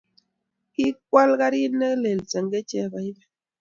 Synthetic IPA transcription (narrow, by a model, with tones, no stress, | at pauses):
ki˦k̚wa˦lka˦ɾi˦nɛ˦kle˨lt͡sɛ˨ŋɡe˦t͡ʃɛ˦˨ba˨i˦bɛ˦